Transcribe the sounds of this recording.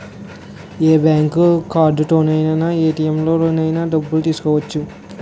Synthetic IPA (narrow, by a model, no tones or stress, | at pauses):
eːbaːŋkukaːɾɖuʈoːnɐjnɐnaeːʈiːjemlo̞ːɾoːnɐjnaɖɐbːult̪iːsu̥kɔːʋɐt͡ʃːu